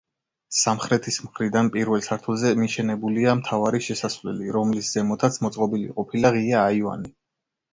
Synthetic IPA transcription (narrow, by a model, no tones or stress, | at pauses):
samχɾɛt̪ʰismχɾid̪anpʼiɾvɛlˠsʰaɾt̪ʰulˠzɛmiʃɛnɛbuliamt̪ʰavaɾiʃɛsasvlɛ̰liɾɔmlisd̪z̥ɛmɔt̪ʰat̪sʰmɔt̪sʼqʼɔbilḭqʼɔpʰilaʁiaːiva̰ni